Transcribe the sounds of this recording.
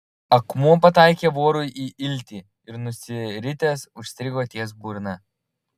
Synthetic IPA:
ɐkmuɔpɐt̪ɑˑɪkʲeːʋoːɾʊjʔiːʔɪlʲˑt̪ʲiː | ɪɾnʊsʲɪɾʲɪt̪ʲeːsʊʃʲsʲt̪ʲɾʲɪɡoːt̪ʲiɛs̬buːɾnɐ

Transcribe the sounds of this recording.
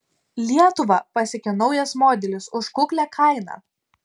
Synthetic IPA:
lʲiɛt̪ʊʋɐpɐsʲɪkʲɪnɒʊjɛsmoːd̪ʲɛlʲɪsʊʃkʊklʲækʰɐɪnɑ̰ː

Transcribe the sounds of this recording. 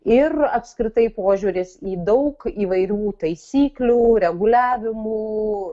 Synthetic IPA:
ɪrɐpskɾʲɪt̪ɐɪpoːʒʲuːɾʲɪsiːd̪ɐʊkiːʋɐɪɾʲuːt̪ɐɪsʲiːklʲuːɾʲɛɡʊlʲæːʋʲɪmuː

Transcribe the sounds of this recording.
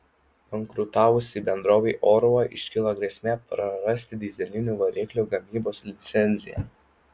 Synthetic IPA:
pɐŋkɾʊt̪ɑːʋʊsʲiːbʲɛnd̪ɾoːʋʲɛɪʔoːɾʊɐʔɪʃʲkʲɪlˠɐɡɾʲeːsʲmʲeːpɾɐɾɐsʲt̪ʲɪd̪ʲɪzʲɛlʲɪnʲuːʋɐɾʲɪklʲuːɡɐmʲiːboːslʲɪt̪sʲɛnʲzʲɪjɛ̰

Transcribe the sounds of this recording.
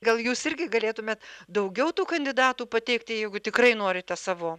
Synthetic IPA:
ɡɐlˠjuːsɪɾʲɡʲɪɡɐlʲeːt̪ʊmʲeːt̪d̪ɐʊɡʲɛʊt̪uːkɐnʲd̪ʲɪd̪ɑːt̪uːpɐt̪ʲɛɪkt̪ʲɪjɛɪɡʊt̪ʲɪkrɐɪnoːɾʲɪt̪ʲɛsɑːʋoː

